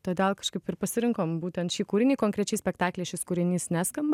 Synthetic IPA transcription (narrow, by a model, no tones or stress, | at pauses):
t̪oːd̪ʲeːlˠkɐʃkɐɪpɪɾpɐsʲɪɾʲɪŋkoːmbuːt̪ʲɛnt̪ʃʲiːkuːɾʲɪnʲiːkoːŋkɾʲɛt͡ʃʲɛɪsʲpʲɛkt̪ɑːklʲɛɪʃʲɪskʊɾʲɪnʲiːsnʲæːskɐmbɐ